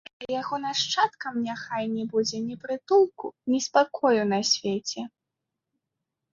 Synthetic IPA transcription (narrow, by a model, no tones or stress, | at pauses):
jaɣɔnaʂt͡ʂat̪kɐmnʲaxajnʲɛbud͡zʲɛnʲɛpɾɨt̪ulˠkunʲispakɔjunɐsʲvʲet͡sʲɛ